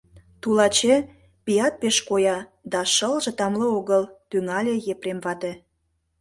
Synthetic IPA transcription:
t̪ulɑt͡ɕe | pijɑt̪̚peʃkojɑd̪ɑʃəlʒĕt̪ɑmlɤoɣəlt̪yŋɑlʲejepɾemβɑt̪e

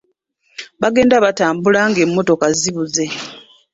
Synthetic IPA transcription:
βaɡe̞ːndaβataːmbulaŋɡe̞mːo̞to̞kaziβuze̞

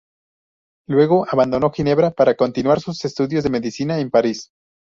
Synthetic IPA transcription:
lwe̞ɣo̞ʔaβand̪o̞no̞xine̞βɾapaɾako̞nt̪inwaɾsuse̞st̪uðjo̞zðe̞me̞ðisinaempaɾis

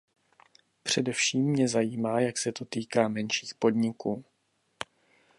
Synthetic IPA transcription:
pr̝̥ɛdɛfʃiːmːɲɛzajiːmaːjaksɛt̪o̞t̪iːkaːmɛnʃiːxpo̞dɲɪkuː

